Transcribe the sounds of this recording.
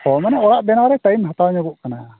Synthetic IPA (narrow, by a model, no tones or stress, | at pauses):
hɔmɛnɛɔɽaʔb̪ɛnawɾɛʈajmɦat̪awɲɔɡuʔkana